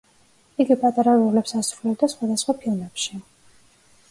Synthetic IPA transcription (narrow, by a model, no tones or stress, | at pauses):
iɡipʼat̪ʼaɾaɾulɛpsasɾulɛb̚d̪asχwad̪asχwapʰilˠmɛpʃi